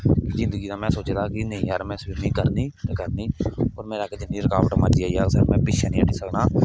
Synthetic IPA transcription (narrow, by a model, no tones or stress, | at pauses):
kzɪ̃nd̪əɡiːd̪aːmɛ̃ːsoːt͡ʃeːd̪aːkinəɦĩːɦəɾmɛ̃ːsɪɾnĩːkəɾniːt̪ekəɾniːoːɾmeːɾaːkeːd͡ʒɪnːiːɾəkaːʋəʈmaɾd͡ʒiaːiaːsəɾmɛ̃ːpɪʃʰanĩːəʈʰiːsəknaː